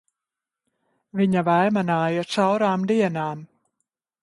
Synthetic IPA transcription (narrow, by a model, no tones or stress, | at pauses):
viɲavajmanaːjasawɾaːmd̪iɛnaːm